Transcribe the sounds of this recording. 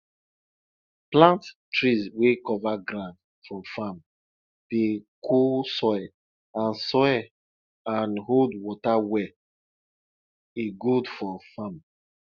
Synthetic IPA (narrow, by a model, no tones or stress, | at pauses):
plãnttɹiswekɔvaɡɾãnd | fɹɔ̃fãm | dekʰosɔɪ | ãnsɔj | ãnɦodwɔtawɛ | iɡudfɔfãm